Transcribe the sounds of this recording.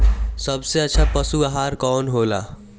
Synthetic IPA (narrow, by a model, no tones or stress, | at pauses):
səbseətːt͡ʃʰapəsuaɦaɾkɔːnɦola̰